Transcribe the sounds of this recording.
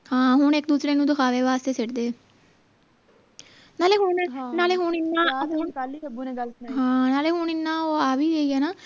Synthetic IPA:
hãːɦʊɳekd̪uːsɾeːnũːd̪ʊkʰaːʋeːʋaːst̪eːseʈd̪eː | naːleːɦʊɦnaːleːɦʊɳɪnːãːɦlbuɦãːnaːleːɦʊɳɪnːaːoːaːʋiːeiːɛːnaː

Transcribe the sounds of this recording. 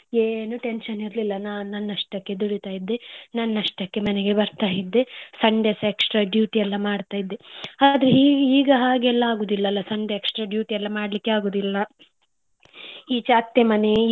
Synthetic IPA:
eːnuʈenʃɐniɾlilːɐnaːnunːɐnːɐʂʈɐkːe̞d̪uɽit̪aːjid̪ːenɐnːɐʂʈɐkːe̞mɐneɡe̞bɐɾt̪aːjid̪ːesɐɳɖeseksʈɾaːɖjuːʈiɛlːɐmaːɖt̪aːjid̪ːead̪ɐɾeɦiːɡiːɡɐɦaːɡeɛlːɐaːɡoːd̪ilːɐlːɐsɐɳɖeeksʈɾaːɖjuːʈiɛlːɐmaːɽɐlikːeaːɡoːd̪ilːɐ | iːt͡ʃaːt̪jemɐne

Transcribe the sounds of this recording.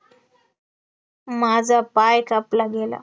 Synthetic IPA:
mad͡zʱapajkaplaɡela̰

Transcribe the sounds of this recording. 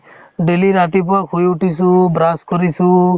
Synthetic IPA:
ɖeliɾat̪ipɔkʰɦujuʈisũbɾaskɔɾisu

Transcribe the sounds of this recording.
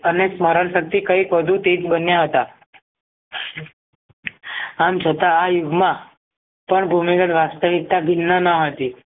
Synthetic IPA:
əneksməɾəɳsək̚t̪iːkaɦiːkəd̪ʱũt̪eːt͡sbənjaɦot̪a | amt͡ɕət̪aːjuɡma | pəɳbʱumiɡəʈʋast̪əʋik̚t̪aɡʱinːanaɦət̪iː

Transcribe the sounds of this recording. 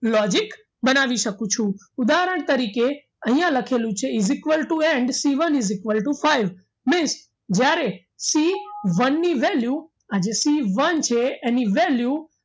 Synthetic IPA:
lɔd͡ʒɪk | bənaʋiʃəkũt͡ʃʰũ | ʊd̪aɦɾəɳ̃t̪əɾike | əɦĩjãləkʰelũt͡ʃʰeɪzɪkʋəlʈueɳɖsiʋənɪzɪkʋəlʈufaiʋ | mɪns | d͡ʒjaɾe | siʋənːiʋelju | ad͡ʒesiʋənt͡ʃʰeeniʋelju

